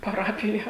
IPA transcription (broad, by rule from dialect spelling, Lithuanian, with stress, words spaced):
pɐˈrɑːpʲɪjɛ